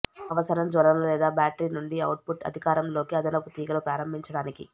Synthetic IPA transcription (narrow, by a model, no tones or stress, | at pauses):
ɐʋɐsɐɾɐmd͡ʒʋɐɾɐmlolɛːd̪aːbjaːʈɾiːnuɳɖiɐwʈ̚puʈɐ̰d̪ʱikaːɾɐmlo̞ːkiɐd̪ɐnɐput̪iːɡɐlupɾaːɾɐmbiɲt͡ʃɐɽaːnikḭ